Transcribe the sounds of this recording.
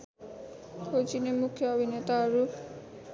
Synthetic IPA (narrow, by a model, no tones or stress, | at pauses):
kʰot͡ʃinemukʰjɔɔbʱinet̪aːɹu